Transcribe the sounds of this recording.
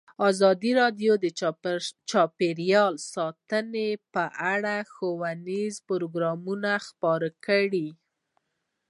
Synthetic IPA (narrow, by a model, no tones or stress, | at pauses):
ɑzɑd̪iɾɑd̪jod̪ə | t͡ʃɑpeɾjɑlsɑt̪ənepəʔaɽaxowanizpʊɾoɡɾɑmunaxpɑɾakəɽi